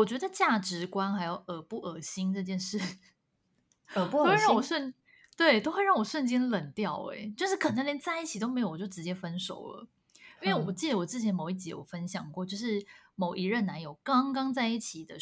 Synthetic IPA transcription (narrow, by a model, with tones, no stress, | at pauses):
wɔ˨˩t͡ɕɥɛ˧˥d̪ə˧t͡ɕja˥˩ʈ͡ʂɻ̩˧˥kwa˥nxa˧˥ɪjo˨˩ʊə˨˩pu˥˩ʔə˨˩ɕi˥nʈ͡ʂɤ˥˧t͡ɕjɛ˥˧nʂɻ̩˥˩˧ | wɻɑ˥˧ŋwɔ˨˩ʂwə˥˩n | t̪we˥˩ɪt̪o˥xwe˥˧ɪɻɑ˥˩ŋwɔ˨˩ʂwə˥˩nt͡ɕi˥nlə˨˩nŋt̪jɑ˥˩ʊḛ˧˦t͡ɕjo˥˧ʊʂɻ̩˥˩kʰə˨˩na˥ljɛ˧˥nt͡sa˥˧ɪi˥˩t͡ɕʰi˨˩t̪o˥ʊme˧˥jʊ˩t͡ɕo˥˩ʊʈ͡ʂɻ̩˧t͡ɕjɛ˥fə˥nʂo˨˩ʊlə̰˦ | i˥nwe˥˩˨wɔ˨˩t͡ɕi˥˩ə˩wɔ˨˩t͡sɹ̩˥˩t͡ɕʰjɛ˧˥nmo˨˩ʊi˥˩t͡ɕi˧˥jo̰˨˩ʊfə˥nɕjɑ˨˩ŋkwɔ˥˧t͡ɕjo˥˧ʊʂɻ̩˥˩mo˨˩ʊʔi˧˥ɻə˥˩na˧˥njo˨˩ʊkɑ˥ŋkɑ˥ŋt͡sa˥˧ɪi˥˩t͡ɕʰi˨˩d̪ə˦